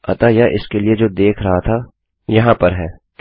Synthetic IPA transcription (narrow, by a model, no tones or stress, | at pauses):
ɐ̰t̪ajaʔɪ̰skelied͡ʒoːd̪eːkʰɾɐɦat̪ʰa | jɐɦãpɐɾɦɛːk